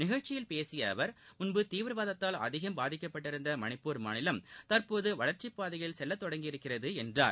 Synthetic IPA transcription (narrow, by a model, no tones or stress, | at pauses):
nɪɣɐɻt͡ʃɪjɪlpeːsɪjɐʋɐɾmʊnbɯt̪iːʋɯɾʋaːðɐt̪ːaːlɐ̰ðɪɣɐmbaːðɪkːɐpːɐʈːɪɾɯnd̪ɐmɐnɪpːuːɾma̰ːnɪlɐmt̪ɐɾpoːðɯʋɐɭɐɾt͡ʃɪpːaːðɐjɐɪlsɛlːɐt̪ːɔɽɐŋɡɪjɪɾɯkːɪrɐðɯɛndra̰ːɾ